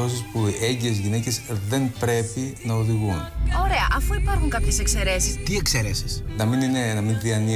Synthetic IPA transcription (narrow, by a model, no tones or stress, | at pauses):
os̬ispue̞ɲɟiezʝine̞ce̞sðe̞npɾe̞finɐo̞ðiɣuno̞ɾe̞ɐʔɐfuipɐɾxuŋkɐpçe̞se̞kse̞ɾe̞si̥st̪iekseɾesi̥snɐmininenɐmint̪ɾiɐni